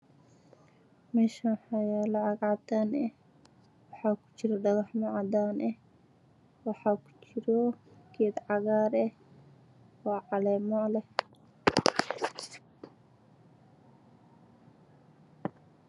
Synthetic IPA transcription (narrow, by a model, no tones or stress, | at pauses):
mɛːʃaħajaːlɐʕɑɡʕɑd̪aːnɛ | wɑħɑːkʰʊ̥t͡ʃɪɾɔɖɐɣɑħmaʕad̪aːnʔɛ | wɑħɑːkʰu̥t͡ʃɪɾɔkʰid̪ʕɑɣaːɾɛ | wɑʕɑlɛːmɔlɛ